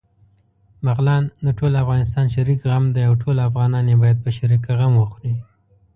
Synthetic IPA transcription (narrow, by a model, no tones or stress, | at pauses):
maɣlɑnd̪əʈʰolafɣɑnɪs̬t̪ɑnʃaɾikɣamd̪ajawʈʰolafɣɑnɑnjebɑjad̪̚pəʃaɾikaɣamwəxɾi